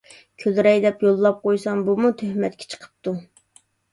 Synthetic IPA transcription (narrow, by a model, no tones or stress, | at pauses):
kʲʰølɾɛjd̪ɛpjolˠːɑp̚qʰojsɑmbumut̪ʰøhmɛt̪kʲʰɛ̥t͡ʃʰə̥qʰə̥p̚t̪u